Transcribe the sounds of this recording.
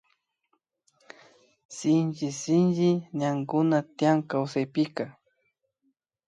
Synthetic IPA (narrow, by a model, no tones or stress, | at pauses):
sɪnt͡ʃɪsɪnʒɪɲaŋɡʊnat̪ɪjaŋkawsajpɪka